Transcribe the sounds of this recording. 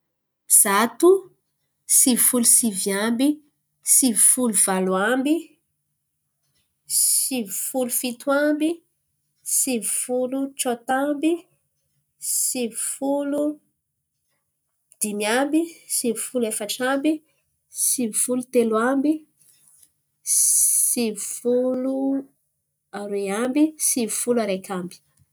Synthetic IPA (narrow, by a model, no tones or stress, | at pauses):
z̥at̪u | sivifulusivjambi | sivifuluvaluambi | sivfulufit̪wambi | sivifuluʈ͡ʂot̪ambi | sivfulu | d̪̥imjambisivufulefəʈ͡ʂambi | sifulut̪elwambi | ivfulu | aɾeambisivufulaɾekʲʰambi̥